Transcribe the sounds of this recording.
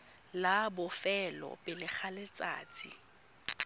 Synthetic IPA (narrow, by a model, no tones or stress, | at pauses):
labʊfɛlɔ̰pʼɪlɪk͡xʰalɪt͡sʼa̰ːt͡sʼḭ